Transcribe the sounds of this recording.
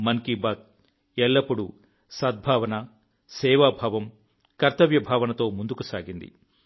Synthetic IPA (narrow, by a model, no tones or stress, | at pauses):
mɐŋkibaːt̪̚ | ɛɭːɐpːuɽu | sɐd̪̚bʱaːʋɐnɐ | sɛːʋaːbʱaːʋɐm | kɐɾt̪ɐʋjɐbʱaːʋɐnɐt̪o̞ːmund̪ukusaːɡind̪ḭ